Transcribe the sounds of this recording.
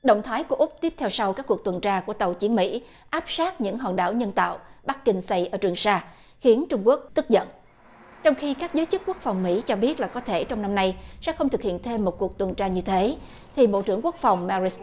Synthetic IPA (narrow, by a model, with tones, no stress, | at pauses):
ɗə̰˧˨wŋ͡mt̪ʰaː˨˦jku˧˩əʔʊ˦˥k͡p̚t̪i˦˥əp̚tʰɛ˧wsa˧wkaː˦˥kːu˨˩ək̚t̪wə˨˩nt͡ɕaː˧ku˧˩ət̪ə˨˩wt͡ɕi˨˦ənmḭ˧˥ | ʔaː˦˥p̚saː˦˥t̚ɲɨ̰˧˥ŋɦɔ̰ː˧˨˩nɗa̰ː˧˩wɲə˧nt̪a̰ː˧˨wɓa˦˥k̚ki˧ŋsa˧jʔəː˧˩t͡ɕwi˨˩əŋsaː˧ | xi˨˦ənt͡ɕʊ˧ŋ͡mku˦˥ək̚t̪ɨ˦˥k̚zə̰˧˨n | t͡ɕɔ˧wŋ͡mxi˧kaː˦˥k̚zəː˨˦jt͡ɕɨ˦˥k̚ku˦˥ək̚fa˨˩wŋ͡mmḭ˧˥t͡ɕɔ˧ɓi˦˥ət̚laː˨˩kɔ˨˦t̪ʰe˧˩t͡ɕɔ˧wŋ͡mna˧mna˧jsɛ̰˧˥xə˧wŋ͡mt̪ʰɨ˨˩k̚hḭ˧˨ənt̪ʰe˧mːo˨˩t̚ku˨˩ək̚t̪wə˨˩nt͡ɕaː˧ɲɨ˧t̪ʰe˨˦ | t̪ʰi˨˩ɓo̰˧˨t͡ɕɨ˧˩əŋku˦˥ək̚fa˨˩wŋ͡mma˧ɹi˨˦˥s